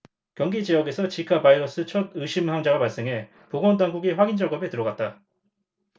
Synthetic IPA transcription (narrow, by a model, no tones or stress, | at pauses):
kjʌŋɡid͡ʑijʌɡe̞sʰʌt͡ɕikʰabaiɾʌs͈ɯt͡ɕʰʌdɯɕʰimhaŋd͡ʑaɡapaɭs͈e̞ŋɦe̞ | poɡwʌndaŋɡuɡiɸwaɡind͡ʑaɡʌbe̞tɯɾʌɡat̚t͈a